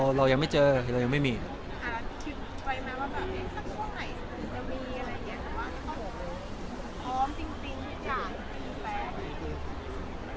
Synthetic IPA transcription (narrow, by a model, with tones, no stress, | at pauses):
ɾa˧wja˧ŋma˥˩jt͡ɕɤː˧˩ɾa˧wja˧ma˥˩jmiː˧˦ | kʰa˧˩k̪ʰi˨˧˩ | wa˧jmɛː˦˥waː˥˩bɛː˨˩p̚ʔe˥˩sa˧˩k̚kʰɔː˧˥˩ŋna˨˩jt͡ɕa˨˩miː˧ʔa˧ɾa˧ja˧˩ni˦˥ɐ˨t̪a˨˩waː˥˩na˨˥˩k̪ɔ˥˩hoː˨˩koː˧˩˨ | t̪ʰɔː˦˥mt͡ɕi˧ŋt͡ɕi˧ŋ˥˩jaa˨˩˧ŋ˩˨˩ma˥˩miː˧fɛː˨˦˥a˨˩˨ɯ˧˥˩